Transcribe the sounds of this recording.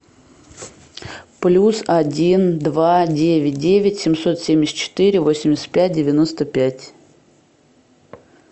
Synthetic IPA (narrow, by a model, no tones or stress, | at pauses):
plʲusɐdʲind̪vadʲevʲɪt̚ʲdʲevʲɪtʲsʲɪmso̞t̪sʲemʲɪsʲt̪t͡ɕːɪ̥t̪ɨɾʲɪvo̞sʲɪmʲɪsʲɪ̥t̪̚ʲpʲæt̚ʲdʲɪvʲɪno̞st̪əpʲætʲ